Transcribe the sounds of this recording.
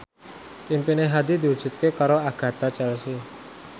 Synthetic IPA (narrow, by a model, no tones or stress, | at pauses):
kimpineɦad̪id̪i̤u̥d͡ʒ̥ṳt̪̚kekaɾoaɡ̥ä̤t̪at͡ʃɛlsi